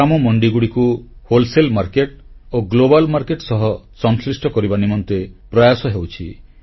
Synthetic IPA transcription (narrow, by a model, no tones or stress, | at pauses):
amɔmɔɳɖiɡuɽikuholselmaɾkeʈoɡlobalmaɾkeʈsɔɦɔsɔŋsɾisʈʰɔkɔɾibanimɔnt̪epɾɔjasɔɦewt͡ʃʰi